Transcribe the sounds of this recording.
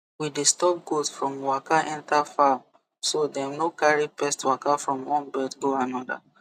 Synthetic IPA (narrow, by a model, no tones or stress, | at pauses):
widistɔp̚ɡosfɹɔ̃mwakaʔɛ̃ntafam | sodɛamnokaɹipɛstwakafɹɔ̃mwɔ̃nbɛtɡoanɔda̰